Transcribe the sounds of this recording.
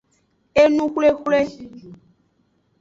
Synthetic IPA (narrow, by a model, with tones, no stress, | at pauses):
e˦nũ˦xʷle˦xʷle˦ʃi˦d͡ʒu˨